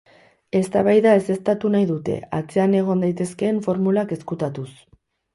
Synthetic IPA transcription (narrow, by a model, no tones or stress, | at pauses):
e̞st̪aβ̞ajðae̞se̞st̪at̪unajðut̪e̞̰at͡se̞ane̞ɣ̞o̞nd̪ajt̪e̞ske̞ːɱfo̞ɾmulake̞skut̪at̪us